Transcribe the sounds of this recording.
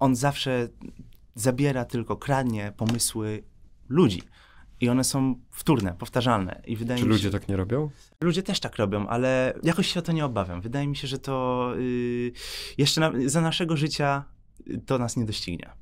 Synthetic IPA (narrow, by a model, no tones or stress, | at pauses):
ɔnzafʂɛ | zabʲjɛɾat̪ɘlkɔkɾad̪ɲɛpɔmɘswɘlud͡ʑḭ | iɔnɛsɔ̃w̃ft̪uɾnɛpɔft̪aʐalnɛ̰ʔivɘd̪ajɛmilud͡ʑɛt̪akɲɛɾɔbʲjɔ̃w̃ | lud͡ʑɛt̪ɛʂt̪akɾɔbʲjɔ̃w̃ʔa̰lɛjakɔɕɕɛɔt̪ɔɲɛɔbavʲja̰mvɘd̪ajɛmʲiɕɛʐɛt̪ɔ | jɛʂt͡ʂɛnazanaʂɛɡɔʐɘt͡ɕa | t̪ɔnasɲɛd̪ɔɕt͡ɕiɡɲɛ̰